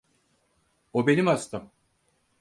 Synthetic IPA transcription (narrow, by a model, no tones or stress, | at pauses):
obe̞nimast̪ʰɯm